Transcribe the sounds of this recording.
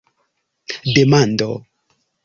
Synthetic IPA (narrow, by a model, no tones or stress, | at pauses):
demando̰